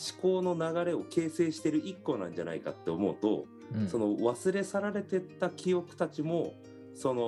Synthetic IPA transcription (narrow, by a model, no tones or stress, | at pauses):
ɕi̥ko̞ːno̞naɡaɾe̞o̞ke̞ːse̞ːɕi̥t̪e̞ɾɯ̟ʔikːo̞nã̰ɲ̟d͡ʑana̰ika̰t̪ːeo̞mo̞ɯt̪o̞̰ | so̞no̞βasɨɾe̞saɾaɾe̞t̪e̞t̪ːakʲijo̞kɯ̟̥t̪at͡ɕimo̞ | sono